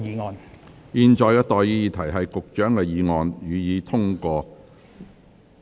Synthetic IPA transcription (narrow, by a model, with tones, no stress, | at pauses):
iː˨˧ŋɔː˨˧n | jiː˧nt͡ʃɔː˨jkɛː˧t̪ɔː˨jjiː˨jiː˨˧t̪ʰɐ˨˩jɦɐ˨jkʊ˨k̚t͡ʃœː˨˥ŋkɛː˧jiː˨˧ŋɔː˨nɥyː˨˧jiː˨˧t̪ʰʊ˥ŋkɔː˧